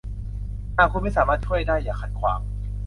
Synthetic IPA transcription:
naː˧˩kʰu˧˥nma˥˩jsaː˩˦maː˥˩t͡ɕʰu˥˩əjdaː˥˩jːaː˨˩kʰa˨˩t̪̚kʰwa̰ː˩˦m

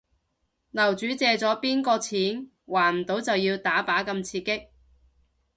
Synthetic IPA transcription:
nɐ˨˩wt͡ʃyː˨˥t͡sɛː˨˧t͡sɔː˨˥piː˥nkɔː˧t͡sʰiː˨˥n | waː˨˩nm̩˨˩t̪o˨˥wt͡sɐ˨wjiː˧wt̪aː˨˥paː˨˥kɐ˧mt͡sʰiː˧kːɪ˥k̚

